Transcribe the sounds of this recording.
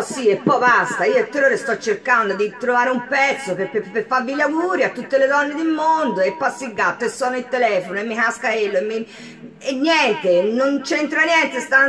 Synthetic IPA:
siepːɔjbast̪aioet̪ːeroːɾest̪ɔt͡ʃːerkand̪od̪it̪ɾovaːɾeumpɛt̪sːopepepːefaɾvilaɡuːɾiat̪ːut̪ːeled̪ɔnːed̪ilmond̪oepːasːilɡat̪ːoesːɔːnoit̪ːelɛːfonoemːikaskaelːoemːi | enːjɛnt̪enont͡ʃent̪ɾanjɛnt̪est̪an

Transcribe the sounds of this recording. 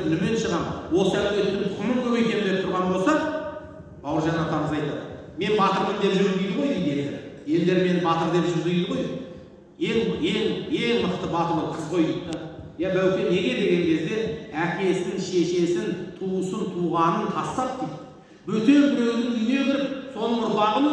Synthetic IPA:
ɪlɪme̞nʃəʁɑmwo̞lˠsəæp̚t̪et̪ʰʏɾɪpq̪ʰʊmənk̪ʰɵwejkʲe̞nɪnd̪e̞p̚t̪ʰʊɾʁɑnbo̞lˠsɑ | b̥ɑwəɾʒɑnɑt̪ʰɑɾʁəzɑjt̪ɑd̪ə | me̞nbɑt̪əɾmɪnd̪e̞pʒʏɾd̪ijd̪əʁo̞jd̪ijd̪e̞ld̪eɾɪje̞ld̪e̞ɾme̞nɪbɑt̪əɾd̪e̞pʒɪɾzijd̪əʁo̞jd̪id̪ | jeŋe̞ŋje̞ŋməqt̪əbɑt̪əɾəqʰəzqʰo̞jd̪ətt̪ːɑjɑbæwt̪ʲe̞ne̞ɡʲe̞d̪e̞ɡʲe̞ŋkʲʰe̞zd̪e̞ækʲe̞st̪ɪŋʃe̞ʃe̞sɪnt̪ʰuəsənt̪ʰuʁɑnənt̪ʰɑst̪ɑp̚d̪ijt̪ | bɵt̪e̞ɾnɵzɪnɪne̞weɾɾɪpso̞nəɴʊpɑʁəm

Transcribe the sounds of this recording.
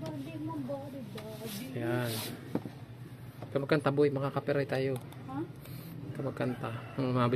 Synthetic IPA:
jan | kamakant̪abuimakakapɛɾait̪aju | k̪amakːant̪amaabɪ

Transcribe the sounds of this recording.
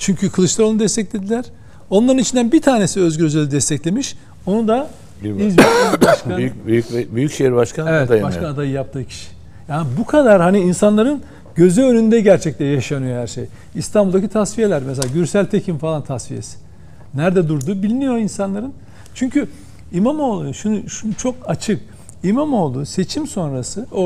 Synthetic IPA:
t͡ʃʰyɲcʰykʰɯlˠɯʃlˠaɾonud̪ɛst̪ʰɛcʲlʲe̞d̪ilʲæɾ̥ | o̞nlˠaɾɯnit͡ʃʰind̪ænbit̪ʰaːne̞siø̞zɟø̞zelʲid̪ɛst̪ʰɛclʲe̞miʃ | o̞nud̪a | izbaaaʃkabbyjycʃejɾbaʃkʰanevɛt̪d̪abaʃkaad̪ajɯjap̚t̪ʰɯːcʰi̥ʃi̥ | jaːnbukʰad̪aɾhaniinsanlˠaɾɯn | ɟø̞zyønynd̪ɛɟæɾt͡ʃʰɛc̚t̪ɛjaʃanɯjo̞hæɾʃej | ist̪ʰanbulˠd̪acʰit̪ʰasvije̞lʲæɾmɛs̬elʲaɟyɾsælʲt̪ʰecʰimfalˠant̪ʰasvije̞̰si̥ | næɾd̪ɛd̪uɾd̪ubilʲinijo̞insanlˠaɾɯn | t͡ʃʰyɲcy | imamo̞lˠuʃunuʃunut͡ʃʰo̞kat͡ʃʰɯk | imamo̞lˠd̪use̞t͡ʃʰimso̞nɾasɯo

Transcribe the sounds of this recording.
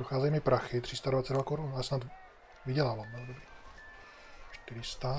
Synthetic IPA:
doxaːzɛjmɪpɾaxɪt̪r̝̥ɪst̪advatt͡sɛdvakoɾunasnat̪ | vɪɟɛlaːvamjɛldobɾi | ʃt̪ɪɾɪst̪a

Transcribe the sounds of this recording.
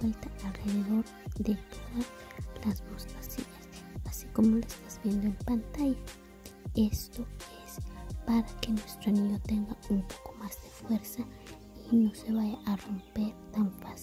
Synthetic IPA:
elt̪aalreðeðo̞ɾ | d̪et̪oðas | lasmoskḁsiɲas | asi̥komolaest̪azbjend̪oempant̪aja | est̪oespaɾakenwest̪ɾoamiɣot̪eŋɡaumpo̥ko̥mazd̪efweɾsa | inoseβajaʔarompeɾt̪aɱfas

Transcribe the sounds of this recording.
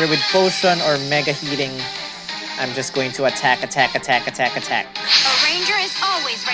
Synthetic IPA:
ɛðə˞wɨd̪̥̚foʊsʌ̃nə˞mɛɡɨhiɾɪ̃ŋ | ʔãɪ̃md͡ʒʌsɡ̥oʊɪ̃ŋtʰəətʰækɨtʰækɨtʰækɨtʰækɨtʰæ̰k̚əɹẽɪ̃nd͡ʒə˞ɨzɔlˠwizɹ

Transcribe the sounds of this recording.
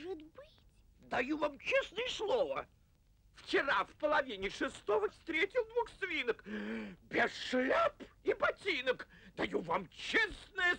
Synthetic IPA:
ʐɨt̪bɨ | d̪ɐjuvamt͡ɕesnəjəslˠovə | ft͡ɕɪɾafpəlˠɐvʲinʲɪʂɨst̪ovəfst̪ɾʲetʲɪlˠd̪vuxsvʲinəkbʲesʂlʲapibɐtʲinəkd̪ɐjuvamt͡ɕesnəjə

